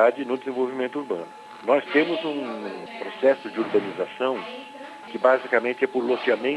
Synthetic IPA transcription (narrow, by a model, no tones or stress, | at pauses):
ad͡ʒɪnʊd̪ezẽvowvimẽnt̪ʊuɾbɐ̃nʊ | nɔst̪ẽmʊzũpɾosɛsʊd͡ʒɪoɾbɐ̃nizasɐ̃w̃ | kɪbazikɐmẽnt͡ʃɪɛpʊɾlot͡ʃiamẽ